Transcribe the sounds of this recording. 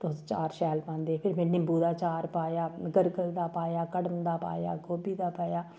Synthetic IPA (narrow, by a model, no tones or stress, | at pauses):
t̪ost͡ʃaːɾʃɛːlpãːnd̪eːpʰɪɾmɛ̃ːnɪmbuːd̪aːt͡ʃaːɾpaːjaːɡəɾɡəld̪aːpaːjaːkəɽəmd̪aːpa̰ːja̰ːɡoːbiːd̪aːpaːjaː